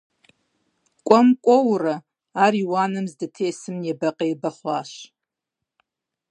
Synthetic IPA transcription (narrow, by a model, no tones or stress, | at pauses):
kʷʼɔmkʷʼowra | ariwanɨmzdɨtʰeːsɨmjabɐqʼajbɐχʷaʃ